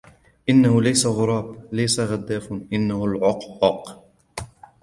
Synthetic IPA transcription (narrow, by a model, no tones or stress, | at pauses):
ʔɪnːahʊlajsaɣʊɾˤɑːblajsaɣad̪ːaːfʔɪnːahʊlʕʊqːɑq